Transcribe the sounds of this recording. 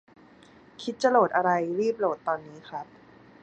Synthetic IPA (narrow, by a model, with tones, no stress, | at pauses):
kʰi˦˥t̪̚t͡ɕa˨loː˨˩t̪̚ʔa˧ɾa˧jɾiː˥˩p̚loː˨˩t̪ːɔː˧nːiː˦˥kʰɾa˦˥p̚